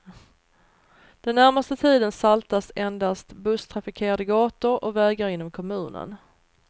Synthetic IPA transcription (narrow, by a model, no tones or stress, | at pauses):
d̪̥ɛnːæɾmast̪ət̪ʰiːd̪ənsalt̪asɛnd̪ast̪bɵst̪ʰɾafɪkʰeːɾad̪əɡɑːt̪ʊɾɔvɛːɡaɾɪnːɔmkʰɔmʉ̟ːnə̰n